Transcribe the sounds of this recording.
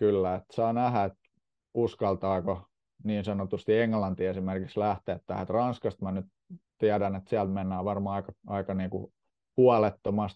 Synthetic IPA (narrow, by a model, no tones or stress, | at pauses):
kylːæet̪sɑːnæhæet̪ | uskɑlt̪ɑːko | niːnsɑnot̪ust̪ieŋːlɑnt̪iesimerkikslæht̪eːt̪t̪æ̰hæet̪rɑnskɑst̪mænyt | t̪iædænet̪siælt̪menːæːʋɑrmɑːɑikɑɑikɑniːkṵ | huɑlet̪ːomɑst̪